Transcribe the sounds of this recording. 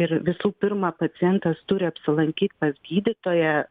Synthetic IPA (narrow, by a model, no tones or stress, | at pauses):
ɪɾʋʲɪsuːpʲɪɾmɑːpɐsʲɪjɛnt̪ɐst̪ʊɾʲɪɐpʲsʲɪlˠɐŋʲkʲiːt̪ʲpɐsɡʲiːd̪ʲɪt̪oːjɛ